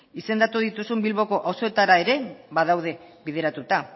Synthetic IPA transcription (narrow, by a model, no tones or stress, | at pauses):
ise̞nd̪at̪uð̞it̪usumbilβo̞ko̞ʔawsoe̞t̪aɾae̞ɾe̞βaðawð̞e̞βiðe̞ɾat̪ut̪a